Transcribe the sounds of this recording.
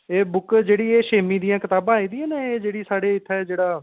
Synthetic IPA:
eːbʊkd͡ʒeːɽiːeːʃeːmĩːd̪ijãːkɪt̪aːbãːiːd̪ijãːneeːd͡ʒeːɽiːsaːɽeːɪt̪ʰːɛːd͡ʒeːɽaː

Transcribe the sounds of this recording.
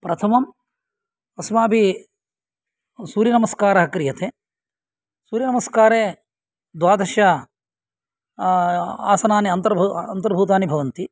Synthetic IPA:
pɾɐt̪ʰɐmɐm | ɐsmaːbʱi | suːɾjɐnɐmɐskaːɾɐɦɐkɾijɐt̪ʰeː | suːɾjɐnɐmɐskaːɾeː | d̪ʋaːd̪ɐʃjɐ | a̰ːsɐnaːniɐnt̪ɐɾbʱuɐnt̪ɐɾbʱuːt̪aːnibʱɐʋɐnt̪i

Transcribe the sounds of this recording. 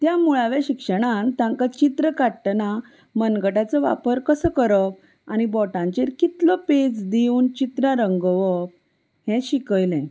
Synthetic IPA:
t̪jamuɭaʋaɕikʂəɽ̃ãt̪ãŋkat͡ɕit̪ɾəkaʈna | mənɡəʈat͡səʋa̰pəɾkəsəkəɾəp̚ | anibɔʈãɲt͡ɕeɾkit̪lɔpet͡sd̪iuːnt͡ɕit̪ɾaɾəŋɡəʋəp̚ | hɛ̃ɕikəjlɛ̃

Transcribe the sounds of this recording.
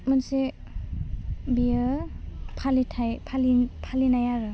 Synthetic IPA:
mənse | biə | pʰalitʰajpʰalipʰalinajaɾɯ

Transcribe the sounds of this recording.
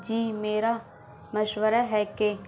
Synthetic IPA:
d͡ʒiːmeːɾa | məʃʋəɾaɦɛke

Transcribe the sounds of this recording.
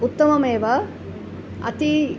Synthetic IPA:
ut̪ːɐmɐmeːʋɐ | ɐ̰t̪i

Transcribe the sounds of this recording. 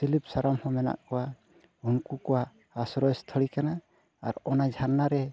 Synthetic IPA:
silip̚saɾamhɔ̃mɛna̰ʔkɔwa | unkukɔwa | asɾɔjst̪ʰɔɽikana̰ː | ɾɔnad͡ʒʱanːaɾɛ

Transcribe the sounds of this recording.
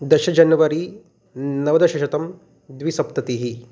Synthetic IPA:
d̪ɐʃɐd͡ʒɐnjɐʋɐɾi | nɐʋɐd̪ɐʃɐʃɐt̪ɐm | d̪ʋisɐp̚t̪ɐt̪iɦi

